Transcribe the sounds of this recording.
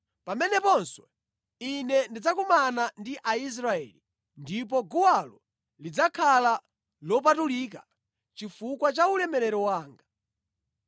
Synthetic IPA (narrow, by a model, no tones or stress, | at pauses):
pamɛnɛpɔnswɛ | inɛndid͡zakumanandiʔais̬ɾaɛ̰li | ndip̬ɔɡuwalɔ | lid͡zakʰala | lɔp̬atulik̬a | t͡ʃifukwat͡ʃaulɛmɛɾɛɾɔwaːŋɡa